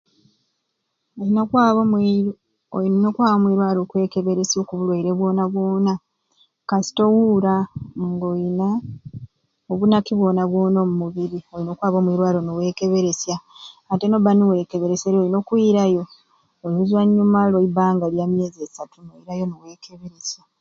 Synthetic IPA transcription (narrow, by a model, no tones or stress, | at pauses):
olinokwaːβomwi | ono̞kwaːβomwiːɾwaːlokwe̞ːke̞βe̞ɾe̞sjo̞kuβulwaiɾe̞βwo̞ːnaβwo̞ːna | kasi̥to̞wuɾaŋɡoina | oβunakiβwo̞ːnaβwo̞ːnomumuβiɾio̞linokwaːβomwiɾwaːɾonowe̞ːke̞βe̞ɾe̞sjaːtenoβaniwe̞ːke̞βe̞ɾe̞seɾolino̞kwiɾajo̞ː | luzwaɲːumaloibaːŋɡaljaːmje̞ːziesatunoiɾajomuwe̞ːkʰe̞βe̞ɾe̞sja